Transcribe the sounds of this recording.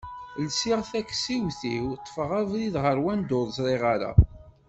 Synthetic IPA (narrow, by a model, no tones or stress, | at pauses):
lsiʁθækːsiwθiwt̪ˤːə̥fəʁævliðʁəɾwænd̪oðˤzɾˤeʁaɾa̰